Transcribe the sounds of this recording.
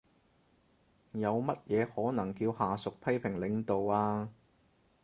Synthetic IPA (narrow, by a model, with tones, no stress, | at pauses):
jɐ˨˧wmɐ˥t̚jɛː˨˧hɔː˨˥nɐ˨˩ŋkiː˧whaː˨sʊ˨k̚pʰɐ˥jpʰɪ˨˩ŋlɪ˨˧ŋt̪o˨waː˧